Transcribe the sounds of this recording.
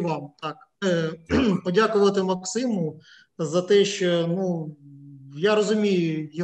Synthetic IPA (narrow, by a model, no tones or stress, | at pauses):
ʋɑmt̪ɑk | pɔdʲakʊʋɐt̪ɪmɐksɪmʊ | zɐt̪ɛʃt͡ʃɔnu | jaɾɔzʊmʲijʊj